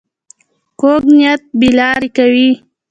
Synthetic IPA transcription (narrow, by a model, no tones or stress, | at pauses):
koɡnijat̪̚bilɑːɾikawi